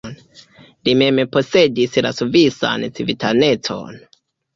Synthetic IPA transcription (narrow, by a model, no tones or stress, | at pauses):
n | limempo̞se̞disla̰suvisa̰nt͡sivitane̞t͡so̞̰n